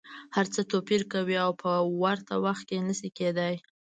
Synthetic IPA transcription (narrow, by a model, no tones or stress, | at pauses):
haɾt͡sət̪opiɾkawiawpʰəwaɾt̪awaxt̪̚kenəʃiked̪aj